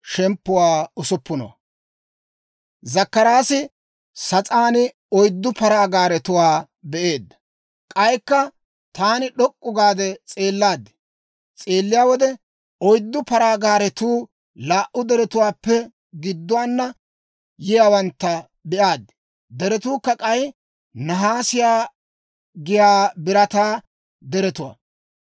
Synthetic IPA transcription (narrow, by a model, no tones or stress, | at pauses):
ʃɛmpːʊwaːʊsʊpːʊno̰ | zɐkːɐɾaːsɪ | sɐt͡sʼaːnɪ | ɔjd̪ːʊpɐɾaːɡaːɾɛt̪ʊwaː | bɛʔe̞ːd̪ːɐ | kʼɐjkːɐ | t̪aːnɪɗɔkʼːʊɡaːd̪ɛt͡sʼeːlːaːd̪ːɪ̥ | t͡sʼeːlːɪjaːwɔd̪ɛ | ɔjd̪ːʊpɐɾaːɡaːɾɛt̪uː | laːʔʊd̪ɛɾɛt̪ʊwaːpːɛ | ɡɪd̪ːʊwaːnːɐ | jɪjaːwɐnt̪ːɐ | bɛʔaːd̪ːɛ̥ | d̪ɛɾɛt̪uːkːɐkʼɐj | nɐɦaːsɪjaː | ɡɪjaːbɪɾɐt̪aː | d̪ɛɾɛt̪ʊwa̰